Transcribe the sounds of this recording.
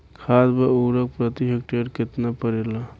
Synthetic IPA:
kʰaːsbauːɾək̚pɾət̪iɦek̚ʈeɾkɪt̪napəɾela

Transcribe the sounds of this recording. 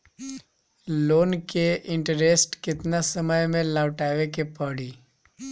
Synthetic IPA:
loːnkeʔɪ̃ɳʈəɾesʈkɪt̪nasəməjmẽlaːʈaːʋekepəɽiː

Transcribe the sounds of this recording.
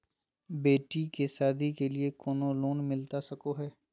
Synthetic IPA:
beːʈikesaːd̪ʱikeliekoːnoloːnmɪlt̪asɐkoɦɛː

